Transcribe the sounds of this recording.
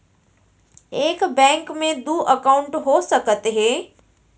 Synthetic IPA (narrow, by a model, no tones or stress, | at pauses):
eːkbɛ̃ːŋkmẽd̪uːʔɐkaʊ̃ɳʈɦosɐkət̪ɦẽː